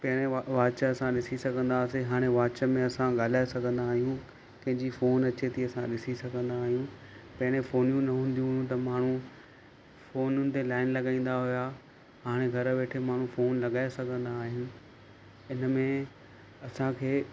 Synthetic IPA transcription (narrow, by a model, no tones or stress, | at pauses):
pɐ̃ɦɪɽ̃ẽʋaːt͡ɕəɐsãɗɪsisɐɡʱə̃n̆d̪aːseɦaːɽ̃eʋaːt͡ɕəmẽɐsãɠaːl̤aːesɐɡʱə̃nd̪aːɦijũ | kɐ̃ɦɪ̃ɲd͡ʑifoːnɐt͡ɕet̪ʰiɐsãɗɪsisɐɡʱə̃nd̪aːɦijũ | pɐɪɽ̃ẽfoːnijũnɐɦũːnd̪ijũɦʊjũt̪̬ɐmaːɳ̤ũ | foːnʊnɪ̆t̪elaːɪnlɐɠaːĩːn̆d̪aɦʊja | ɦaːɽ̃eɡʱɐɾəʋeːʈʰemaːɳ̤ũfoːnlɐɠaːesɐɡʱə̃nd̪aːɦɪnɪ̆ | ɪnəmẽ | ɐsãkʰeː